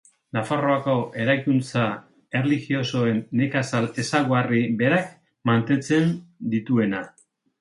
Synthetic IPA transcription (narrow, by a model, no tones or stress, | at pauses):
nafaro̞ako̞ʔe̞ɾajkunt͡sa | e̞rlixio̞so̞e̞nːe̞kasale̞saɣoaribe̞ɾak | mant̪e̞nt͡se̞nd̪it̪ue̞na